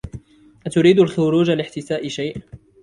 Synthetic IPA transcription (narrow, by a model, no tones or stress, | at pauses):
ʔat̪ʊɾiːd̪alxʊɾuːd͡ʒalɪħt̪ɪsaːʔɪʃajʔ